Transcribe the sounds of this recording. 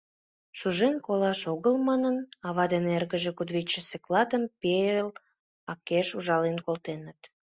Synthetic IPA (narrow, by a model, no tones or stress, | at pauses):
ʃuʒenkolɑʃoɣəlmɑnənɑβɑd̪enerɣəʒekud̪βit͡ɕːəseklɑt̪əmpel | ɑkːeʃuʒɑlenkolt̪enət̪